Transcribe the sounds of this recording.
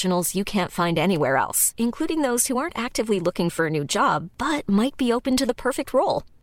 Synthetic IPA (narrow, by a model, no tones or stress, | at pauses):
ɨn̩l̩ˠz̥jɨkʰæ̃ntfãɪ̃ndɛñiwɛ̰ɹɛ̰lˠsɨ̃nkʰl̥uɾɪ̃ŋðoʊz̥huɑɹntæk̚tɨvlilʊkɪ̃ŋfə˞ɨnʉd͡ʒɑ̰b̚b̥ʌt̚maɪt̚b̥ioʊpɨ̃ntɨðəpʰɜ˞fɨk̚t̚ʰɹoʊlˠ